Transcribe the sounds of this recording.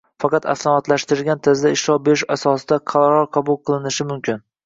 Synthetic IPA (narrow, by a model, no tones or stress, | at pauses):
fɑqɑt̪a̰slˠɑmɒt̪laʃt̪ɪɾɪɡʲant̪ʰazd̪aɪʃlɒwbeɾɪʃasɒsɪd̪aqʰɑlˠɑɾɒɾqʰɑbʊlˠqʰɨlˠɪnɪʃɪmʊmkʲɪn